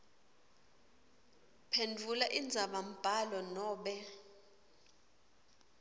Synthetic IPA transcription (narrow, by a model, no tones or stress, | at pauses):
pʰendʱulaʔind͡zʱaɓam̩b̥ʱalɔnɔːɓɛ